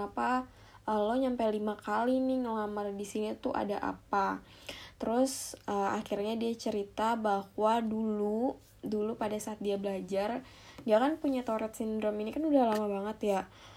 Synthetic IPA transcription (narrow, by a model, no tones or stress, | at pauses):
apa | əloɲampajlimakalinɪŋəŋamardisinit̪uʔa̰daʔa̰pa | t̪əɾʊsəːa̰kirɲadiat͡ʃəɾit̪abahwadulu | dulupadasaːt̪̚diabəlad͡ʒar | d͡ʒaŋanpuɲat̪oɾɛt̪̚sindɾɔminikanudahlamabaŋət̪ja